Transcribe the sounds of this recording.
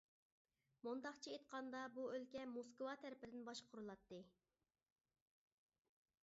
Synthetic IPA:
mund̪ɑqt͡ʃʰiet̪̚qʰɑnd̪ɑbuølkʲɛmoskwɑt̪ʰæɾɪpɪd̪ɪnbɑʃqʰʊɾulˠɑt̪ːɨ

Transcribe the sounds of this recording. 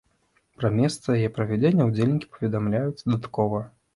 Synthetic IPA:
pɾɐmʲɛst̪sɐjajɛpɾɐvʲɛd͡zʲenʲːɐud͡zʲelʲnʲikʲi̥pɐ̥vʲɛd̪amlʲajut͡s̪ʲd̪at̪kɔvɐ

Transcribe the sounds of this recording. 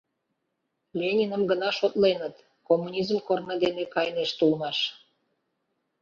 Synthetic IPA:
lʲenʲinə̆mɡənɑʃot̪lenət̪ | komːunʲizmkornə̆d̪enekɑjneʃt̪ulmɑʃ

